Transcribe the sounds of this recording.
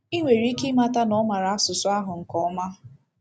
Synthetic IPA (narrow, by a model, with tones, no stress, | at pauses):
i˦ŋʷe˨ɾi˦ki˦ma˦ta˦nɔ˦ma˨ɾa˨a˦sʊ˨sʊ˦a˦ɦʊ˨ŋ̩˨kɔ˨ɔ˦ma˦